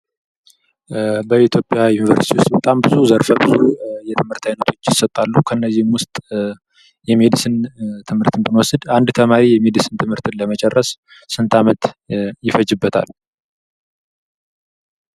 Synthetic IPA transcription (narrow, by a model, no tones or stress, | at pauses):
bəit̪ʰjo̞pʼjajunivəɾsit̪ʰiwʊst̪bət̪ʼambɨzuzəɾfəbɨzujɛt̪ʰɨmhɨɾt̪ʰajnət̪ʰo̞t͡ʃːjɪsət̪ʼːalːukʰəɨnːəzːihmwʊst̪ʼ | jɛmed̪ɨsɨnt̪ʰɨmhɨɾt̪ʰɨnbɨnwɔsɨd̪and̪t̪ʰəmaɾijɛmed̪ɨsɨnt̪ʰɨmhɨɾt̪ɨnləmət͡ʃʼɛrːəsː | ɨnt̪ʰamət̪jɪfəd͡ʒɪbːət̪ʰa̰l